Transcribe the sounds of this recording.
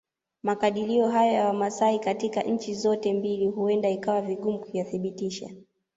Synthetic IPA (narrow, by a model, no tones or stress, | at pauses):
makaɗiliɔɦajɔjawamasaikatikaʔɲ̩t͡ʃizɔtɛmbiliɦuɛndaikawaviɠumukujaθiɓitiʃa̰